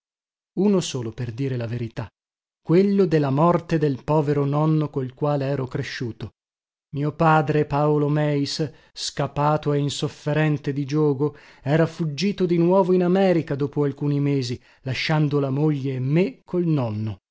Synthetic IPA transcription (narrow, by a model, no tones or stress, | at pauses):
unosoːloperd̪iːɾelaveɾit̪a | kːwelːod̪elːamɔrt̪ed̪elpɔːveɾonɔnːokolkwaːleɛːɾokɾeʃːuːt̪o | miːopaːd̪ɾepaolomɛjs | skapaːt̪oeinsofːeɾɛnt̪ed̪id͡ʒɔːɡo | ɛːɾafud͡ʒːiːt̪od̪inwɔːvoinamɛːɾikad̪oːpoalkuːnimeːzi | laʃːand̪olamoʎːeːmːekʰːolnɔnːo